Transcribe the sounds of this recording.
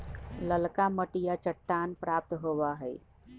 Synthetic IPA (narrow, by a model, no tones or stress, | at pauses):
ləlkaməʈijat͡ʃəʈːanpɾap̚t̪ɦoβaɦəj